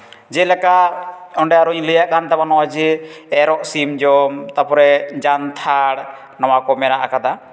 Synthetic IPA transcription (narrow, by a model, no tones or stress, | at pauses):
d͡ʒɛlakaɔɳɖɛaɾɔiləjaʔkant̪abanɔad͡ʒiɛɾɔʔsimd͡ʒɔmt̪apɔɾɛd͡ʒant̪ʰaɽ | nawakɔmɛɾaʔakad̪a